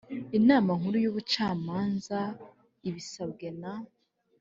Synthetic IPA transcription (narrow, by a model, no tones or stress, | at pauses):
inaːmaŋhuɾujuːβut͡ʃaːmaːnza | iβisab̚ɡena